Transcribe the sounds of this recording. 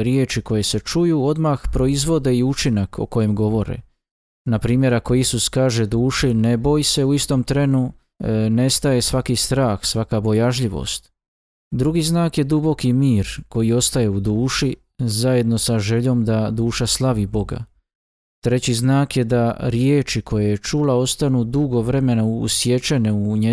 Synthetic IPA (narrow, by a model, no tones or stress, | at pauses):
ɾjeːt͡ʃiko̞je̞se̞t͡ʃujuo̞d̪maxpɾo̞izʋo̞d̪e̞iut͡ʃinakʰo̞̰ko̞je̞mɡo̞ʋo̞ɾḛ | napɾiːmje̞ɾako̞isuskaːʒe̞d̪uːʃine̞bo̞jse̞uist̪o̞mt̪ɾe̞nu | ne̞st̪aje̞sʋakist̪ɾaːxsʋakabo̞jaʒʎiʋo̞̰st̪ | d̪ɾuɡiznaːkje̞d̪ubo̞kimiːɾko̞jio̞st̪aje̞ud̪uːʃi | zaje̞d̪no̞saʒe̞ʎo̞ːmd̪ad̪uːʃaslˠaʋibo̞ɡa̰ | t̪ɾe̞t͡ɕiznaːkje̞d̪aɾjeːt͡ʃikʰo̞jajet͡ʃulao̞st̪anud̪uɡo̞ʋɾe̞me̞nauːsje̞t͡ʃe̞neuɲe